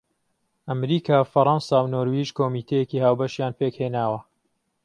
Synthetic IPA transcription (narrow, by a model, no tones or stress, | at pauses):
ʔɐmɾiːkʰaːfɐɾˤɑnsawnoːɾwiːʒkoːmiːt̪ʰɐjekiːhaːwbɐʃjaːnpʰekheːnaːwɐ